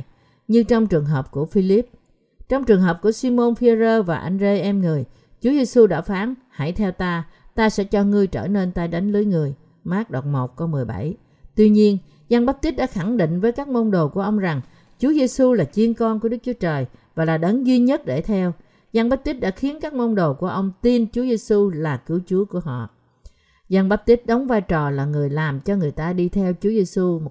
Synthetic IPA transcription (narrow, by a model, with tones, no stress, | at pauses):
ɲɨ˧t͡ɕɔ˧wŋ͡mt͡ɕɨ˨˩əŋɦəː˨˩p̚ku˧˩əfi˧li˦˥p̚ | t͡ɕɔ˧wŋ͡mt͡ɕɨ˨˩əŋɦəː˨˩p̚ku˧˩əsi˧mo˧nfi˧zəː˧vaː˨˩ʔa˧jŋ̟ze˧ʔɛ˧mŋɨ˨˩əj | t͡ɕu˨˦ze˧su˧ɗa̰ː˧˥faː˨˦nha̰˧˩jt̪ʰɛ˧wt̪aː˧t̪aː˧sɛ̰˧˥t͡ɕɔ˧ŋɨ˧əjt͡ɕə̰ː˧˩ne˧nt̪aː˧jɗa˨˦ŋ̟lɨ˨˦jŋɨ˨˩əj | maː˦˥k̚ɗo˨˩t̚mo˨˩t̚kə˧wmɨ˨˩əjɓa̰˧˩j | t̪wi˧ɲi˧ən | za˧ŋɓə˦˥t̚t̪i̟˦˥ɗa̰ː˧˥xa˧˩ŋɗḭ˧˨ŋ̟vəː˨˦jkaː˦˥k̚mo˧wŋ͡mɗo˨˩ku˧˩əʔə˧wŋ͡mza˨˩ŋ | t͡ɕu˨˦əze˧su˧laː˨˩t͡ɕi˧ənkɔ˧nku˧˩əɗɨ˦˥k̚t͡ɕu˨˦ət͡ɕəː˨˩jvaː˨˩laː˨˩ɗə˨˦nzwi˧ɲə˦˥t̚ɗe˧˩t̪ʰɛ˧w | za˧ŋɓa˦˥t̚t̪i˦˥t̚ɗa̰ː˧˥xi˨˦ənkaː˦˥k̚mə˧wnɗo˨˩ku˧˩əʔə˧wŋ͡mt̪i˧nt͡ɕu˨˦ze˧su˧laː˨˩kɨ˨˦əwt͡ɕu˨˦əku˧˩əɦɔ̰˧˨ʔ | za˧ŋɓa˦˥p̚t̪i˦˥t̚ɗə˨˦wŋ͡mvaː˧jt͡ɕɔ˨˩laː˨˩ŋɨ˨˩əjlaː˨˩mt͡ɕɔ˧ŋɨ˨˩əjt̪aː˧ɗi˧t̪ʰɛ˧wt͡ɕu˨˦əze˧su˧mo˨˩